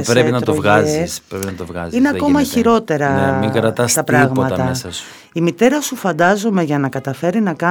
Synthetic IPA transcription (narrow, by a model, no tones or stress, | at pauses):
spɾeinɐt̪ɾt̪ovɣɐzisɾepinnɐt̪ovɣɐ̰zzineɐko̞mɐiçiɾo̞t̪e̞ɾɐemiɡɾɐt̪ɐst̪ɐpɾɾɐɣmɐt̪ɐt̪ɐesɐsu̥ | imit̪e̞ɾɐsufɐnd̪ɐzo̞me̞ʝɐnɐkɐt̪ɐfe̞ɾinɐkɐ